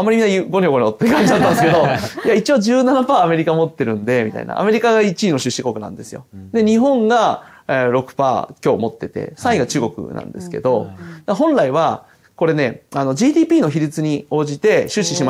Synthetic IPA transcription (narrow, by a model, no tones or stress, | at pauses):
amːaɾʲiminːajɯɡoɲʲioɡoɲʲiot̪ːekãɲd͡ʑid̪at̪ːand̪sɨked̪o̞ijait͡ɕio̞d͡ʑɨːnanapaːme̞ɾʲikamo̞t̪ːe̞ɾɯ̟̃nd̪e̞mʲit̪a̰ḭna̰a̰me̞ɾʲikaɡait͡ɕiːno̞ɕɨɕːikokɯ̟nã̰nd̪e̞sɨjo̞̰d̪e̞ɲ̟iɦõ̞ŋɡa | ɾo̞kɯ̥pa̰ːkʲo̞ːmo̞t̪ːe̞t̪e̞̰sãiɡat͡ɕɨːɡo̞kɯ̟̰nã̰nd̪e̞sɨ̥ke̞̰d̪o̞d̪aɦõ̞nɾaiβa | ko̞ɾe̞ne̞ano̞d͡ʑiːd̪ʲiːpʲiːno̞çiɾʲit͡sɨɲ̟io̞ːʑit̪e̞ɕɨɕiɕima